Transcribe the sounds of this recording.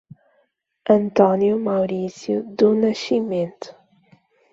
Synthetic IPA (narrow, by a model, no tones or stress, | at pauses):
ɐ̃nt̪ɔnjumawɾisjud̪unɐʃimẽnt̪ʊ̥